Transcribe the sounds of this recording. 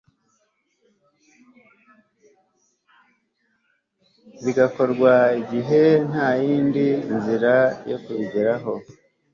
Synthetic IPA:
βiɡako̞ɾɡwaiɟiɦe̞n̥haːjiːndinziɾajo̰kuβiɟeɾaɦo̞

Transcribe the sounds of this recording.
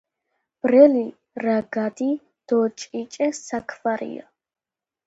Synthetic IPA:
b̥ɾɛli | ɾaɡad̪i | d̪̥ɔt͡ʃʼit͡ʃʼɛsakʰvaɾḭa̰

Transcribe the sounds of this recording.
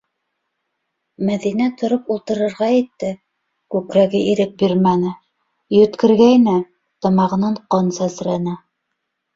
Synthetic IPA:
mæðinæt̪ŏɾopulˠt̪ɤ̆ɾɤ̆ɾʁɑjɘ̆t̪ːɘ | kʉkɾæɡɘʔiɾɘp̚biɾmænɘ | jɵ̆t̪kɘ̆ɾɡæjnɘ | t̪ɑmɑʁɤ̆nɑɴqonsæsɾænæ

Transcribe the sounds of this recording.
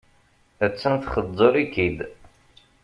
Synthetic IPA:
ət͡sːənθχəd̪ˤːoɾikid̪

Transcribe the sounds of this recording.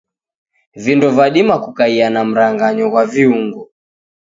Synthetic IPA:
vindɔvaɗimakukaianam̩ɾaŋɡaɲɔɣwaviuŋɡɔ

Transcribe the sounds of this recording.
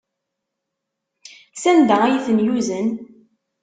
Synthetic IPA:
sænd̪ææjiθənjuzən

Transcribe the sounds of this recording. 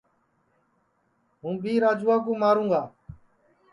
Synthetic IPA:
ɦũːbʱiːɾaːd͡ʒuːaːk̬õːmaːɾũːɡaː

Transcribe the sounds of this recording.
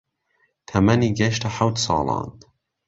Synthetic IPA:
t̪ʰɐmɐniːɡɐʃtaħawt̪sɑ̰ːlˠɑ̰ːn

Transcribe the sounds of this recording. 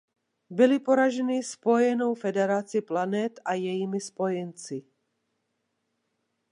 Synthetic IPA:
bɪlɪpo̞ɾaʒɛnispo̞jɛno̞wfɛdɛɾat͡sɪplanɛt̪ajɛjiːmɪspo̞jɛnt͡sɪ

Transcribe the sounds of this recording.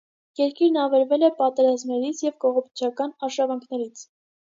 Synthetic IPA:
jɛɾkiɾnɑvɛɾvɛlɛpɑt̪ɛɾɑzmnɛɾit͡sʰjɛvkɔʁɔpʰi̥t͡ʃʰɑkɑnɑʃɑvɑŋkʰnɛɾit͡sʰ

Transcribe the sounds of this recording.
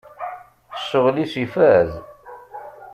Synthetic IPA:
əsːəʁlisifæð

